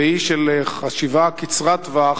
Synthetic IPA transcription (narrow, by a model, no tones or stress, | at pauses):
iʃeleχaʃivakit͡sʁat̪va